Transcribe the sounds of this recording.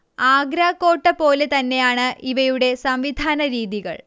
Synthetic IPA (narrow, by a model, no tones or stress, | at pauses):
aːɡɾaːkːo̞ːʈːɐpo̞ːle̞t̪ɐnːe̞jaːɳɨʔiʋɐjuɽe̞sɐmʋid̪ʱaːnɐɾiːðiɣɐ̰ɭ